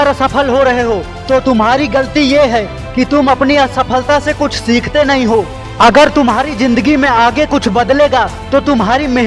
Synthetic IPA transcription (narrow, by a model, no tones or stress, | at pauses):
ɾsɐpʰəlɦoɾɐɦeɦoː | t̪ot̪ʊmɦaːɾiɡɐlt̪ijeɦɛ | kit̪ʊmɐpniɐsɐpʰəlt̪asekʊt͡ʃʰsiːkʰt̪enɐɦĩɦoː | ɐɡəɾt̪ʊmɦaːɾizɪ̃nd̪əɡimẽaːɡekʊt͡ʃʰbɐd̪leːɡa | t̪ot̪ʊmɦaːɾimeɦ